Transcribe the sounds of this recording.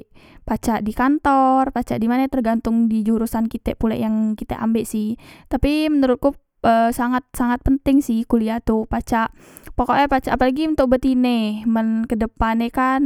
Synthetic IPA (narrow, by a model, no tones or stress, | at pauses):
pat͡ʃaʔdikant̪ɔrpat͡ʃaʔdimanat̪ərɡant̪ʊŋdid͡ʒuɾusankit̪ɛpulɛ̰jaŋkit̪ɛ̰ʔa̰mbɛʔsɪht̪apimənuɾʊt̪̚ku | ʔəsaŋat̪̚saŋat̪̚pənt̪ɪŋsɪhkuliat̪upat͡ʃaʔ | pokɔʔlɛpat͡ʃaʔːpalaɡiunt̪ʊk̚bət̪inɛmənkədəpanekan